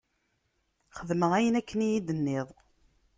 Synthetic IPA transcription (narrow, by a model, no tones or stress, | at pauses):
χəðməʁæjənækʰːənijid̪ənːɪðˤ